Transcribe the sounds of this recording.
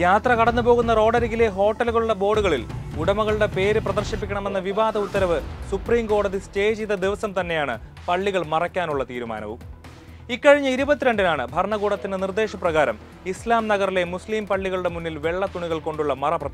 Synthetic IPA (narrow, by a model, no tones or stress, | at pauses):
jaːt̪rɐkɐɽɐnːupo̞ːɣunːɐro̞ːɽɐɾiɣɡile̞ɦo̞ːʈːɐluɣɐɭuɭːɐbo̞ːɽuɣɐɭilɡuɽɐmɐɣɐɭuɽe̞pe̞ːɾɨprɐd̪ɐrɕipːikʲːɐɳɐme̞nːɐʋiʋaːd̪ʱɐut̪ːɐɾɐʋɨsupriːmko̞ːɽɐðiste̞ːd͡ʑiðɐd̪iʋɐsɐmt̪ɐnːe̞jaːɳɨ | pɐɭːiɣɐɭmɐrɐkʲːaːnuɭːɐt̪iːɾuma̰ːnɐ̰ʋṵm | ikːɐɻiɲːɐiɾubɐt̪ːiɾe̞ɳɖinaːɳɨbʱɐrɳɐɣuːɽɐt̪ːinenird̪e̞ːʂɐprɐɣaːɾɐm | islaːmnɐɣɐrile̞musliːmpɐɭːiɣɐɭuɽe̞munːilʋe̞ɭːɐt̪uɳiɣɐɭko̞ɳɖuɭːɐmɐrɐprɐi